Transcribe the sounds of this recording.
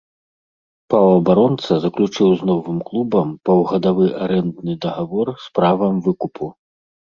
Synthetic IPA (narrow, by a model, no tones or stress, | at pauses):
pawɐbaɾɔnt̪sɐzɐklʲut͡ʂɨwznɔvɨmklˠubɐmpɐwɣɐd̪avɨʔaɾɛnd̪nɨd̪ɐɣavɔrspɾavɐmvɨkupʰu